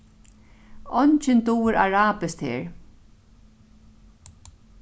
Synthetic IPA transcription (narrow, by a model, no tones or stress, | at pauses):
ɔnt͡ʃɪnt̪uwɪɾaɹaːpɪst̪hḛːɹ